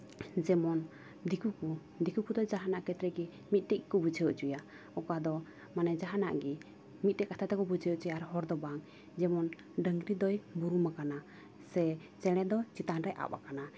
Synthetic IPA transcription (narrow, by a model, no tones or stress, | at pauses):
d͡ʒɛmɔn | d̪ikuku | d̪ikukud̪ɔd͡ʒaɦanaʔkɛt̪ɾɛɡi | mit̪̚ˀʈɛc̚kubud͡ʒʰʱɛjəʔt͡ʃuja | ɔkad̪ɔ | manɛd͡ʒaɦana̰ʔɡi | mit̪̚tɛʔkat̪ʰat̪ɛkɔbud͡ʒʰəʔt͡ʃujaaɾhɔɾd̪ɔbaŋ | d͡ʒɛmɔn | ɖəŋɡɾid̪ɔjbuɾumakana | sɛ | t͡ʃɛɽ̃ɛd̪ɔt͡ʃit̪anɾɛjʔa̰ba̰kana